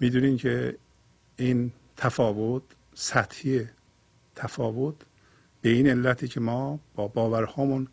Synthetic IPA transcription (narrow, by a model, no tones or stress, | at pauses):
miːd̪unimcʰe | in | t̪ʰæfɒːvot̪ | sæt̪hiːe | t̪ʰæfɒːvot̪ʰ | b̥eine̞lːæt̪ʰiːcʰemɒːb̥ɒːbɒːvæɾhɒːmun